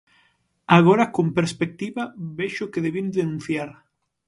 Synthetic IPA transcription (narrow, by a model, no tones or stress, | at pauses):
aɣ̞oɾakompeɾspek̚t̪iβaβeʃʊkeðeβind̪enũn̟θjaɾ